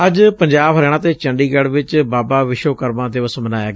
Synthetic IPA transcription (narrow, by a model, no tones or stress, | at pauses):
əd͡ʒpəɲd͡ʒaːbɦəɾɛːɽ̃ãːt̪eːt͡ʃəɳɖiːɡɛːɽʋɪt͡ʃbaːbaːʋɪʃoːkəɾmãːd̪ɪʋəsmənaːjaːɡ